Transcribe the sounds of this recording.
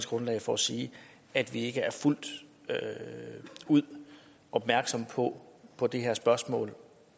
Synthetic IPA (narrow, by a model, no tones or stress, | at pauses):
sɡ̥ʁɔ̽nlɛ̰ɪfɒsiː | æd̥ʋie̝ɡ̥əæɐful̰d̥ | uð̰ˠ | ʔɒ̽b̥̚mæɐɡ̥sɒ̽m̰pʰɒ̽pʰɒ̽d̥e̝ɦe̝ɐsb̥ɶɐsmɔ̰̽ːl